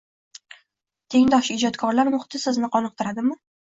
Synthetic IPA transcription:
t̪ʰe̞ŋd̪ɒʃɪd͡ʒɒt̪kʰɒɾlaɾmʊχɪ̥t̪ʰɪsɪznɪqʰɒnɨq̚t̪ʰɪɾad̪ɪmɪ

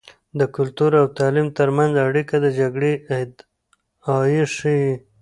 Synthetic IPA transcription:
d̪əkʊlt̪uɾawt̪alimt̪əɾmanzaɽikad̪əd͡ʒaɡɽed̪ | ɑjiʂi

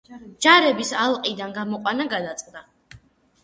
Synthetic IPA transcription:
d͡ʒaɾɛbisalˠqʼid̪anɡamɔqʼwanaɡad̪at̪sʼqʼd̪a

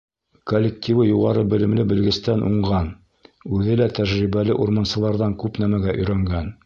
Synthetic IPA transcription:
kolʲːek̚t̪ʲʰivɤjuʁɑɾɤbɘ̆lɘ̆mlɘbɘ̆lɡɘ̆st̪ænʔṵɴʁɑn | ʉðɘlæt̪æʒɾiβælɘʔuɾmonsɤ̆lˠɑɾðɑŋkʉpnæmæɡæʔɵ̆jɾæŋɡæn

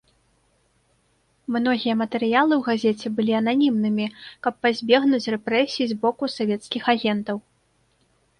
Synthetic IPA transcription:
mn̪ɔɣʲijɐmɐt̪ɛɾɨjalˠɨwɣazʲɛt͡sʲɛbɨlʲiɐnanʲimnɨmʲikɐpːazʲbʲɛɣnut͡sʲrɛpɾɛsʲijizbɔkusavʲɛt̪skʲixaɣʲɛnt̪ɐw

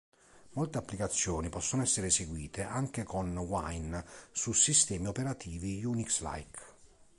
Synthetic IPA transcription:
molt̪eapːlikat̪sːjɔːnipɔsːonoɛsːeɾeseɡwiːt̪ʰeʔaŋk̟ekonwajnsusist̪ɛːmiopeɾat̪ʰiːvijuniksla̰jk

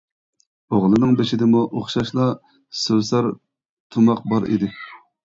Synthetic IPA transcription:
oʁlˠɨnɨŋbeʃɪd̪ɪmuʔoχʃɑʃlˠɑ | søwsɑɾ | t̪ʰumɑq̚bɑɾḭd̪ɪ

